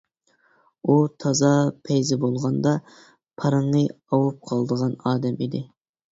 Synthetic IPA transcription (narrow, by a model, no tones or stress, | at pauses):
ut̪ʰɑzɑpʰɛjzɪbolˠʁɑnd̪ɑ | pʰɑɾɨɴnɨ | ɑwup̚qʰɑlˠd̪əʁɑnɑːd̪ɛmid̪ɪ